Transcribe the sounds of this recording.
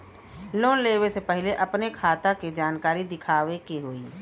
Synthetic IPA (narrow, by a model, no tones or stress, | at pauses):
loːnleːwesepɛɦleʔɐpnekʰaːt̪aked͡ʒaːnkaːɾid̪ɪkʰaːʋekeɦoːiː